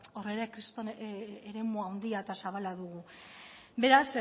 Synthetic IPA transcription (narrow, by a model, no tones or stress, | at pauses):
o̞re̞ɾakɾist̪oneɾe̞muawnd̪iaet̪asaβalaðuɣu | be̞ɾas